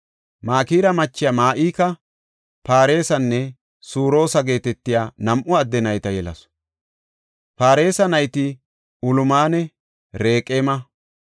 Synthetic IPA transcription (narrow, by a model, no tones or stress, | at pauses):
maːkiːɾɐmɐt͡ʃːɪjɐmaːʔiːkɐ | paːɾe̞ːsɐnːɛ | suːɾo̞ːsɐɡe̞ːt̪ɛt̪ːɪjaːnɐmʔʊɐd̪ːɛnɐjt̪ɐjɛlɐ̰s | paːɾe̞ːsɐnɐjt̪ɪ | ʊlʊmaːnɛ | ɾe̞ːkʼeːmɐ